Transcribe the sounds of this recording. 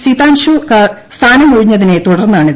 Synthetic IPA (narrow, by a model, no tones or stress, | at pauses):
sit̪aːnɕukɐ | st̪ʰaːnɐmkɐɻiɲːɐðine̞t̪uɽɐrnːaːɳiðɨ